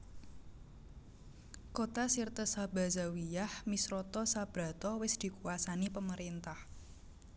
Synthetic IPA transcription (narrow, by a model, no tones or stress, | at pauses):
kot̪asirt̪əsab̥a̤zawijahmisɾɔt̪ɔsab̥ɾa̤t̪ɔwɪsd̪̥i̤kuwasanipəməɾint̪ah